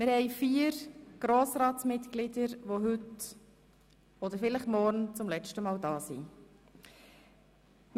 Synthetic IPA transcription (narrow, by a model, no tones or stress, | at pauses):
mɪɾhɛɪfiːəɾɡ̥ɾoːsɾɑːtsmɪt̪klɪdəɾʋoɦʏt | ɔd̪əɾfɪləχmɔɾnt͡sʊmlɛt͡ʃtəmɑːldɑːsḭ | m